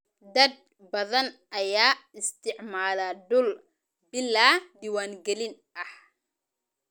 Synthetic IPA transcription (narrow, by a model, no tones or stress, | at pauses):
d̪ɐd̪̚ | bɐðɐnʔɐjaːɪst̪ʰɪʕmaːlaɖʊl | bɪlːaːd̪iːwaːŋɡɛlɪn | ʔɐh